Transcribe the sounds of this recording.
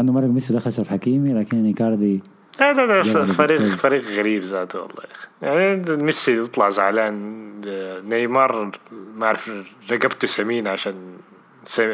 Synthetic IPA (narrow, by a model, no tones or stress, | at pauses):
and̪umɑɾˤːɑɡmɪsud̪axalsafħakiːmilaːkɪnʔɪnikɑːɾˤd̪i | ad̪ad̪afɑɾiːfɑɾiːqɣaɾiːbzaːt̪wɑ̰lˤːɑ̰ːjaxi̥jaʕnimɪsːit̪ɨt̪ˤlɑʕzaʕlaːnː | ajmɑɾˤmaʕɾɪfɾˤɑɡabt̪usamiːnʕaʃaːn | sa